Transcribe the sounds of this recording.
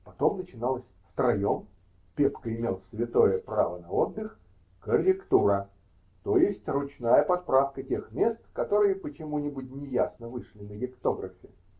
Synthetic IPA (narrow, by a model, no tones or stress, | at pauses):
pɐt̪o̞mnət͡ɕɪnalˠəsʲft̪ɾɐjom | pʲepkəɪmʲelˠsʲvʲɪt̪o̞jəpɾa̰vənɐo̞d̪ːɨx | kərʲɪkt̪uɾə | t̪o̞jɪsʲtʲrʊt͡ɕnajəpɐspɾafkətʲe̞xmʲe̞st̪kɐt̪o̞ɾɨjəpət͡ɕɪmunʲɪbutʲnʲɪjasnəvɨʂlʲɪnəɡʲɪpt̪o̞ɡɾəfʲɪ